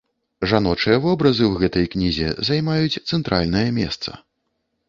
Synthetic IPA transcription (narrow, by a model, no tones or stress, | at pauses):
ʐanɔt͡ʂɨjɐvɔbɾɐzɨwɣɛt̪ɐjknʲizʲɛ̰zajmajut͡sʲt̪sɛnt̪ɾa̰lʲnɐjɐmʲɛ̰st̪sɐ̥̰